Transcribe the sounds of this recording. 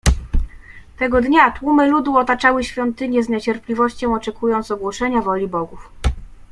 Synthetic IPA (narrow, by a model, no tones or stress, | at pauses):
t̪ɛɡɔd̪ɲat̪wumɘlud̪uɔt̪at͡ʂawɘɕfʲjɔnt̪ɘɲjɛzɲɛt͡ɕɛɾplʲivɔɕt͡ɕɔ̃w̃ɔt͡ʂɛkujɔnt̪sɔɡwɔʂɛɲavɔlʲibɔɡuf